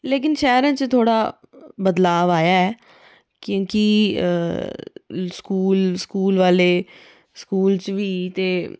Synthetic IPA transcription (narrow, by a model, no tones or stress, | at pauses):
leːk̬ɪnʃɛːɾãːt͡ʃt̪ʰoːɽaː | bəd̪laːʋaːjaːɛː | kjõːki | skuːlskuːlʋaːleː | skuːlt͡ʃʋiːt̪eː